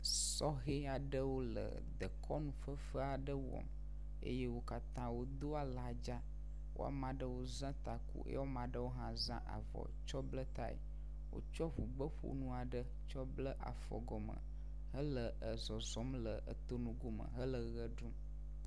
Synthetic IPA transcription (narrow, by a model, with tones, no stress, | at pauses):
sɔ˦ɣe˦a˨ɖə˦wo˦lə̰˨ | d̪ə˨kʰɔ˦nũ˦fə˦fə˦a˨ɖə˦wɔ̰˨m | ḛ˦je˦wo˦ka˨t̪ã˦wo˦d̪o˦a˨la˨d͡ʒa˦ | wo̰˦a̰˨mã˨ɖə˦wo˦zã˦t̪a˨kṵ˦ʔḛ˦jwo˦mã˨ɖə˦wo˦ɦã˦zã̰˦ʔa̰˨vɔ̰˨t͡ʃɔ˦blə˦t̪a̰˦˨ḛ˨ | wo̰˦t͡ʃɔ˦ɸu˨ɡ͡bə˦ɸo̰˨nũ˦a˨ɖə˦ | t͡ʃɔ˦blə˦ʔa̰˨fɔ̰˨ɡɔ˨mə̰̃˨ | ɦə˦lə˨ə˨zɔ˨zɔ˨˦mlə˨ə̰˨t̪o˦nũ˨ɡo˦mə̰̃˨ɦə˦lə˨ɣə˦ɖũ˦